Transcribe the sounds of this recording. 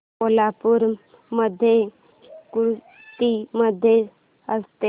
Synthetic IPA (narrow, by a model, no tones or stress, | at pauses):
olapuɾ | məd̪ʱje | kuɾu | t̪iməd̪ʱje | əst̪e